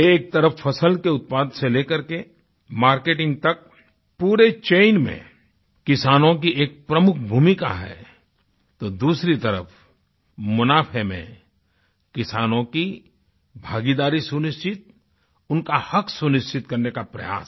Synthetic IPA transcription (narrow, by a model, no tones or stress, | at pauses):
eːk̚t̪ɐɾəfːɐsəlkeʊt̪̚paːd̪seleːkəɾke | maːɾkeːʈɪ̃ŋɡ̚t̪ɐk̚ | puːɾet͡ʃeːɪnmḛ̃ | kɪsaːnõk̬ieːk̚pɾɐmʊkʰbʱuːmɪka̰ɦɛ̰ː | t̪od̪uːsɾit̪ɐɾə̰f | mʊnaːpʰemḛ̃ | kɪsaːnõki | bʱaːɡid̪aːɾisʊnɪʃt͡ʃɪt̪̚ | ʊnkahɐksʊnɪʃt͡ʃʰɪt̪kɐɾnekapɾɐ̰ja̰ːs